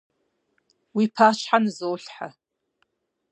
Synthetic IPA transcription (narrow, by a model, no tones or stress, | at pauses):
wipʰat͡ʃʷʰħanɨzowɬħa